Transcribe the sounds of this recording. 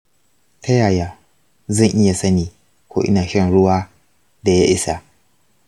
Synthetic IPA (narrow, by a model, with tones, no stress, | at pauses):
tɐ˦jaː˨jaː˨ | zɐ˦˨ŋʔɪ˦ja˨sɐ˦niː˨ | kʷo̰ː˦ʔɪ̰˦naː˨ʃɐ˦nɽʊ˦waː˦ | da˨ja˦ʔɪ˦sa˨ʔ